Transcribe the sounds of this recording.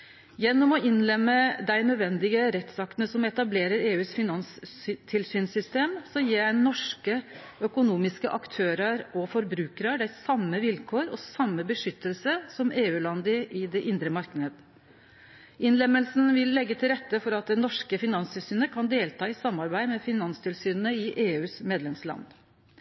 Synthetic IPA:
jɛnːɔmɔɪnlɛmːəd̪æɪnœd̪ʋɛnd̪ɪɡəɾɛt̪sɑk̪ənəsɔmɛt̪ɑbleːɾəɾeːʉːsfɪnɑnst̪ʰɪlsyːnsʏst̪eːmsɔjiːjæɪnːɔʂkə | œkʊnuːmɪskəʔɑkt̪ʰøːɾəɾɔfɔɾbɾʉːkəɾɑɖ̪æɪsɑmːəʋɪlkʰoːɾɔsɑmːəbəʂʏt̪ːəlsəsɔmeːʉːlɑnd̪əʔɪd̪ɛʔɪnd̪ɾəmɑɾknəd̪ | ɪnlɛmːəlsnʋɪlːɛɡːət̪ʰɪlɾɛt̪ːəfɔɾɑt̪̚d̪ɛnɔʂkəfɪnɑnst̪ɪlsyːnəkʰɑnd̪eːlt̪ʰɑːɪsɑmːɑɾbæɪd̪mɛfɪnɑnst̪ʰɪlsyːnənəɪʔeːʉːsmeːd̪lɛmslɑ̰nd̪

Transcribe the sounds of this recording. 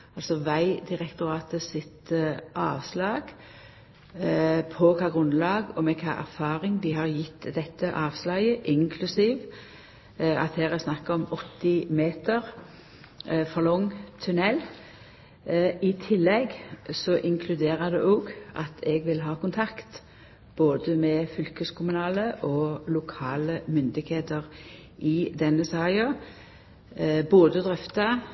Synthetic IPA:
ɑlsɔʋæɪd̪ɪʁɛkt̪ʊɾɑːt̪əsɪt̪ʔɑːʋslɑːɡ | pʰɔkʰɑːɡʁʉnlɑːɡɔmɛkʰɑ̰ːʔæ̰ɾfɑːʁɪŋd̪ɪɦɑʁjɪt̪ːd̪ɛt̪ːəʔɑːʋslɑjəʔɪŋkʰlʉsiːʋ | ɑ̰t̪hæːʁɛsnɑkːəɔmɔt̪ːɪmeːt̪əʁ | fɔʁlɔŋːt̪ʰʉnɛl | ɪt̪ʰɪlːɛɡsɔʔɪŋkʰlʉd̪eːʁəd̪ɛʔoːɡʔɑ̰t̪ʰɛɡʋɪlɦɑːkʊnt̪ʰɑkt̪ | b̥oːd̪əmɛfʏlkəskʰʊmʉnɑːləʔɔlʊkʰɑːləmʏnd̪ɪɡheːt̪əʁ | ʔɪd̪ɛnːəsɑːɪɑ | boːd̪əd̪ʁɛft̪ɑ

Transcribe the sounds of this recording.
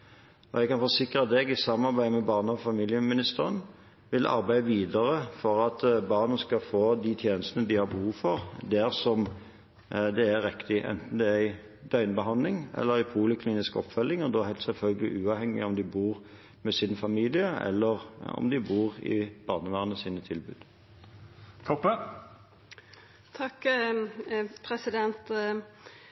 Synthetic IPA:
ɔɛɡ̚kɑnfɔsɪkɾəd̪ɛɡɪsɑmmɑɾbæɪmɛbɑːʁnəɔfɑmiːljəmɪnɪst̪əɾən | ʋɪlʔɑ̰ɾbæɪəʋiːd̪əɾəfɔʁɑt̪bɑːʁnənskɑfoːd̪it̪ʰjeːnəst̪ənəd̪ɪhɑɾbəhuːʋfɔʁd̪æʁsɔm | d̪ɛæʁɪkt̪ɪʔɛ̰nt̪n̩d̪ɛææɪ | d̪̥œʏnbəɦɑnd̪lɪŋɛ̰lːəʁæɪpʰuːlɪkʰliːnɪskɔ̰pfœlːɪŋɔd̪oːhæɪt̪sɛlfœlɡəlɪ̰ʔʉːɑːʋhɛŋːɪ̰ɔmd̪ɪbuːʁ | mɛsɪnfɑmiːlɪəɛ̰lːəʁɔ̰md̪ɪbuːʁɪ̰b̥ɑːnəʋæːʁənəsiːnət̪ʰɪlbʉ̰ːd̪̥ | t̪ʰɔpːə | t̪ʰɑk | pʰɾɛsɪd̪ɛnt̪

